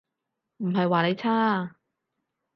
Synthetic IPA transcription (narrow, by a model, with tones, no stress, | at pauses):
m̩˨˩ɦɐ˨jwaː˨˩ne˨˧jt͡sʰaː˥